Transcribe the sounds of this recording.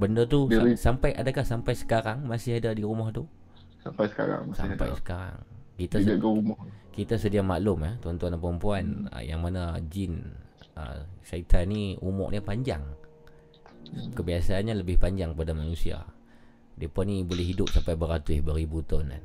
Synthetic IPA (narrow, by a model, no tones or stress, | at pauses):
bəndət̪usampajʔa̰dakahsampajsə̥kaɾaŋmasɪɦadadiɾumɔht̪u | sampajsə̥ka̰ɾa̰ŋasa̰mpa̰jsə̥kaɾa̰ŋkit̪aaɡəumɔhkit̪asədiamaʔlʊmat̪ɔnt̪uanapəɾəmpuanə̰ja̰ŋmanad͡ʒɪn | ə̰ʃait̪ʰaniumɔ̰ʔɲapaɲd͡ʒa̰ŋ | kəbiasaːnɲaləbɪhpaɲd͡ʒaŋkəpadamanusia̰ | diəpɔnibolɛhɦidʊp̚sampajbəɾat̪uɪhbəɾibut̪ʊna̰n